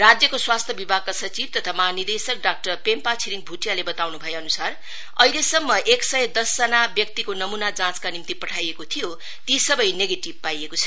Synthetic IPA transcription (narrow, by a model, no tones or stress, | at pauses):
rad͡zjʌkoswast̪ʰjʌbibʱaɡ̚kasʌt͡sib̚t̪ʌt̪ʰamʌɦanid̪esʌk̚ɖak̚ʈʌrpempat͡sʰiɾiŋbʱuʈjalebʌt̪awnubʱʌjeʌnusar | ʌilesʌmːʌʔeksʌjʌd̪ʌsd͡zanabjʌk̚t̪ikonʌmunad͡zãt͡skanimt̪ipʌʈʰajekot̪ʰijo | t̪isʌbʌjneɡeʈibpajekot͡sʰʌ̥